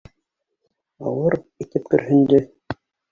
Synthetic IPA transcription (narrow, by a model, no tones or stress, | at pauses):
ɑ̰wɤɾit̪ɘp̚kɵ̆ɾhɵ̆nd̪ɘ